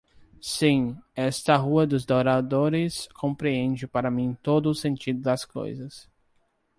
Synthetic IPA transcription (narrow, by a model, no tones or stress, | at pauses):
sĩɛst̪ɐɦuɐd̪ʊzd̪oɾad̪oɾɪskʰõmpɾiẽnd͡ʒɪpaɾɐmĩt̪od̪ʊːsẽnt͡ʃid̪ʊd̪ɐsko̰jzɐs